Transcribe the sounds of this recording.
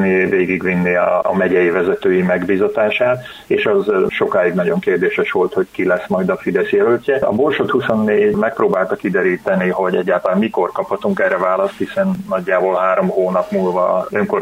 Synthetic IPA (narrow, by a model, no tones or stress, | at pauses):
niveːɡiɡʋinːiɒːmɛɟɛjivɛzɛt̪øːjimɛɡbiːzɒt̪aːʃaːt̪ | eːʃɒzʃo̞kaːjiɡnɒɟo̞ŋkeːrd̪eːʃɛʃʋo̞lt̪ho̞ckilɛsmɒjd̪ɒfid̪ɛsjɛlølcʲːɛɒ̰bo̞rʃot̪huso̞nːeːɟmɛk̚proːbaːlt̪ɒkid̪ɛɾiːt̪ɛniɦo̞ɟɛɟːaːlt̪ɒlaːmiko̞rkɒphɒt̪uŋkɛrːɛvaːlɒst̪hisɛnːɒɟːaːboːlɦaːɾo̞mhoːnɒpmulvɒ̰øŋko̞r